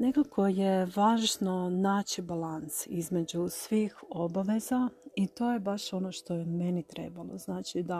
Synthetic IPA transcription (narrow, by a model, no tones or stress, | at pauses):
ne̞kakʰo̞je̞ʋaːʒno̞naːt͡ɕibalansizme̞d͡ʑusʋiːxo̞baʋe̞zait̪o̞ːjebaʃo̞no̞ːʃt̪o̞jeme̞nit̪ɾe̞̰ːbalˠoznaːt͡ʃid̪a